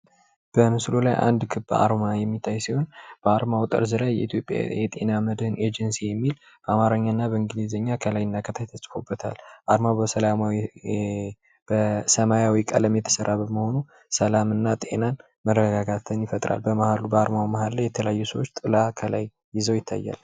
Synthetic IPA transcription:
b̥əmɨslolajʔa̰nd̪kʰɨbːa̰ɾmajɛmːit̪ʰːajsiho̞nb̥əaɾmawt̪ʼə̰ɾzɨlajːɛit̪ʰjopʼja̰jɛt̪ʼe̞naməd̪hɨnʔe̞d͡ʒɛnsijɛmːil | b̥əamaɾəɲːaɨnːabəɨŋɡɨlizəɲːakʰəlajːɪnːakʰət̪ʰajt̪ʰəsʼfo̞bːət̪ʰa̰lʔaɾmawbəsəlamw | bəsəmajawikʼə̰ləmjɛt̪ʰə̥səɾʔabəməho̞nu | səlamɨnːat̪ʼe̞̰nan | mərːəɡaɡat̪ʰɨnjɪfət̪ʼɾa̰lbəmahalubəaɾmawmahallajɛt̪ʰələajːusəwot͡ʃːt̪ʼɨlakʰəla̰jːɪzəwjɪt̪ʰːa̰jːa̰l

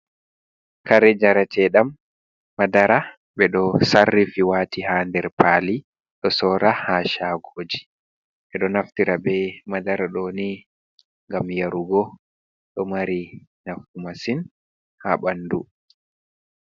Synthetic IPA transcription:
kaɾɛd͡ʒaɾatʰɛɗamː | adaɾa | ɓɛɗɔsarːifiwaːtihandɛɾpaːli | ɗɔsɔːɾahaʃaɡoːd͡ʒi | ɓɛɗɔnaftiɾabɛmadaɾaɗɔːni | ŋɡamjaɾuɡɔ | ɗɔmaɾinafumasin | ha̰ɓandu

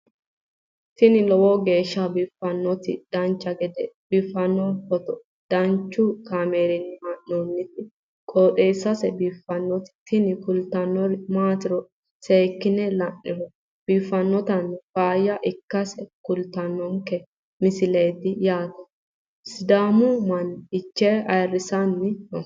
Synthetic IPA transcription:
t̪ɪnɪlɔwɔɡe̞ːʃːɐbɪfːɐnːɔt̪ɪ̰d̪̥ɐnt͡ʃːɐɡɛd̪ɛb̥ɪfːɐnːɔfɔt̪ɔ | d̪̥ɐnt͡ʃːʊkaːmeːɾɪnɪmaʔːonːɪt̪ɪ | kʼoːɗeːsːɐsɛbiːfːɐnːɔt̪ɪ̥t̪ɪnɪkʊlt̪ɐnːɔɾmaːt̪ɪɾɔ | seːkːɪnɛlɐnːɪɾɔ | b̥iːfːɐnːɔt̪ɐnfaːjɐʔɪkːɐsɛkʊlt̪ɐnːɔŋkɛ | mɪsɪleːt̪ɪjaːt̪ɐ | sɪd̪aːmʊmɐnɪt͡ʃːɛɐjrːɪsɐnːɪɔ

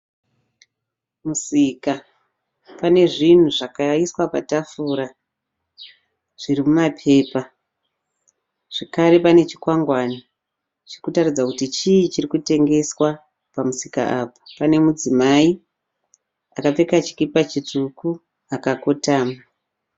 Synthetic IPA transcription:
musiːka | pane̞ʐin̤uʐakaiswapatafuːɾa | ʐ̥irimumapʰe̞ːpa | ʐ̥ekaɾe̞pane̞t͡ʃi̥kwaŋɡwaːna | t͡ʃirikutarid͡zakutit͡ʃiit͡ʃirikute̞ŋɡe̞swa | pamusika̰ʔapḁpane̞mud͡zimai | akap͡fe̞kat͡ʃi̥kipat͡ʃituku | akakotaːma

